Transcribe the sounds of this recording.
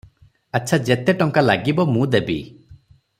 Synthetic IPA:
aːt͡ʃʰad͡ʒet̪eʈɔŋkalaɡibɔmũd̪ebi

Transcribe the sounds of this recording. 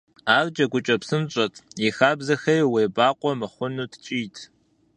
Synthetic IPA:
aːrd͡ʒʼɐɡʷʊt͡ʃʼɐpsɨmɕʼɐtʼjixaːbzɐxɐjweːbaːqʷʼɔmɨχʷʊnuːtʰt͡ʃʼiːtʰ

